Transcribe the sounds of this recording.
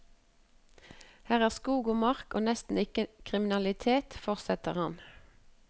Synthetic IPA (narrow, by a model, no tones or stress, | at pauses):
hæːʁæːʁskuːɡoːmɑʁkʔo̰ːnɛst̪n̩ɪkəkʰʁɪmɪnɑlɪt̪ʰeːt̪fɔʁsɛt̪əʁhɑn